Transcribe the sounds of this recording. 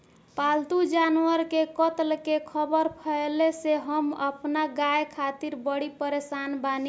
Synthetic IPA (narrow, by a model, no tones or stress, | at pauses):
palt̪ud͡ʒanwəɾkekət̪lkekʰəbəɾpʰəeleseɦəmə̰pnaɡajkʰat̪iɾbəɽipəɾesanbani